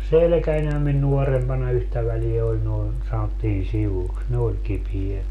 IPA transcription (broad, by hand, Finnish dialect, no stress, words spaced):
selĕkænʲhæm min nuorempɑnɑ yhtæ ʋæliæ olʲ noin sɑnotːiːn siʋuks ne olʲ kipiet